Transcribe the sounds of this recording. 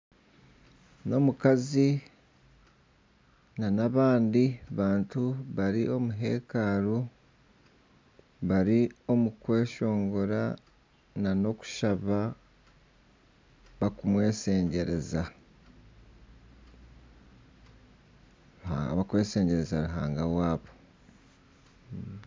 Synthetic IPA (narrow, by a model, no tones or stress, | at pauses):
no̞mukazi | nanaβaːndiβaːntuβaɾiʔo̞muɦe̞ːkaːɾu | βaɾio̞mukwe̞ːʃo̞ːŋɡo̞ɾa | nano̞ku̥ʃaβa | βakumwe̞ːse̞ːɲɟe̞ɾe̞za | ua̰ŋɡaβakwe̞ːse̞ːɲɟe̞ɾe̞zaɾuɦa̰ːŋɡawaːβo̞